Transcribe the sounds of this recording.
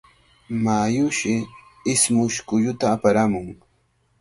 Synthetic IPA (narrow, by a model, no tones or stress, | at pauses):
majʊʃɪ | ɪsmʊʃkʊʎʊt̪aːpaɾamʊŋ